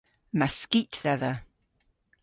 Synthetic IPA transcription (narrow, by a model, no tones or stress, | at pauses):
maskitðɛðə